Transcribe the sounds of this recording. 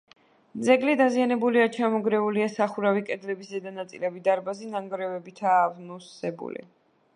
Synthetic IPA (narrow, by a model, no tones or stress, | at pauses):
mzɛɡlid̪azianɛbuliat͡ʃʰamɔɡɾɛuliasaχuɾavikʼɛd̪lɛbiszɛd̪anat̪sʼilɛbid̪aɾbazinaŋɡɾɛvɛbit̪ʰaːvnusɛbṵlḭ